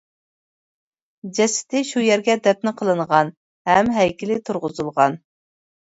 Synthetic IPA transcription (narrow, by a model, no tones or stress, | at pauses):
d͡ʒɛsɪ̥t̪ʰɪʃujɛɾɡʲɛd̪ɛp̚nɪqʰəlˠɨɴʁɑn | hɛmɦɛjkʲilɪt̪ʰuɾʁʊzulˠʁɑn